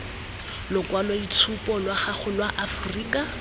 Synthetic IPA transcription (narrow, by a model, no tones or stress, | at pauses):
lʊkwalɔdit͡sʰupɔlwaχaχʊlwaʔafuriːkʼa